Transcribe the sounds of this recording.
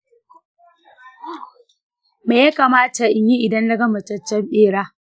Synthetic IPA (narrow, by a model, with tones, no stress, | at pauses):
meː˨ja˦kaː˨maː˦ta˨ʔɪ˨ɲji˦ʔɪ˨dɐ˦nlɐ˦ɡɐ˦mɐ˨t͡ʃɐ˦t͡ʃːɐ˦mɗeː˦ɽaː˦